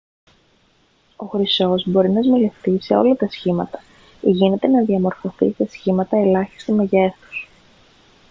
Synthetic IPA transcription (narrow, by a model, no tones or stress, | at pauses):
o̞xɾiso̞zbo̞ɾinɐzmele̞fθise̞o̞̰lɐt̪ɐsçimɐt̪ɐ̥ | iʝine̞t̪e̞nɐðiɐmo̞ɾfo̞θḭsesçimɐt̪ɐe̞lɐçi̥st̪ime̞ʝe̞θu̥s